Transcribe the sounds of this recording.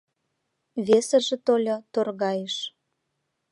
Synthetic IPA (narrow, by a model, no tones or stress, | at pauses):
βesə̆ʒĕt̪olʲot̪orɣɑjeʃ